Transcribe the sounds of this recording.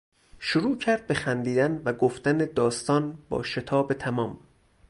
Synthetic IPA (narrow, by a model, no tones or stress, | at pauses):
ʃoɾuːcʰæɾd̪̚be̞xænd̪iːd̪ænvæɡoft̪æned̪ɒːst̪ɒːnbɒ̰ːʃe̞t̪ʰɒːbet̪ʰæmɒːm